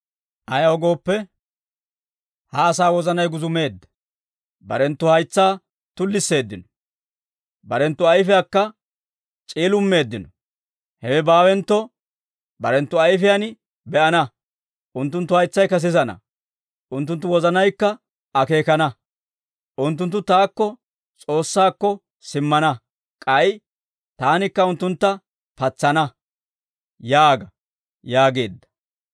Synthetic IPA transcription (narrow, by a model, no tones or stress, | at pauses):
ʔɐjɐhɔɡo̞ːpːɛ | haːsaːwɔzɐnɐjɡʊzʊme̞ːd̪ːɐ | bɐ̰ɾɛnt̪ːʊhɐjt͡sːaː | t̪ʊlːɪsːe̞ːd̪ːɪnɔ | bɐɾɛnt̪ːʊɐjfɪjaːkːɐ | t͡ʃʼiːlʊmːe̞ːd̪ːɪnɔ | hɛwɛbaːwɛnt̪ːɔ | bɐɾɛnt̪ːʊɐjfɪjan | bɛʔɐnɐ | ʔʊnt̪ːʊnt̪ːʊhɐjt͡sːɐjkɐs̬ɪzɐnɐ̰ | ʔʊnt̪ːʊnt̪ːʊwɔzɐnɐjkːɐ | ɐke̞ːkɐnɐ | ʔʊnt̪̬ːʊnt̪̬ːʊt̪aːkːɔ | t͡sʼo̞ːsːaːkːɔ | sɪmːɐnɐ | kʼɐj | t̪aːnɪkːɐʊnt̪ːʊnt̪ːɐ | pɐt͡sːɐnɐ | jaːɡɐ | jaːɡe̞ːd̪ːɐ̥